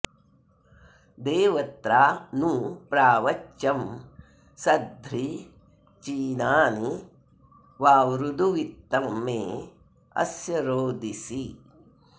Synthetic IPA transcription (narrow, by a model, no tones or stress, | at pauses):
d̪eːʋɐt̪ɾaːnupɾaːʋɐt͡ʃːɐm | sɐd̪ʱɾi | t͡ʃiːnaːni | ʋaːwɾud̪uʋit̪ːɐmːeː | ɐ̰sjɐɾoːd̪ʱisi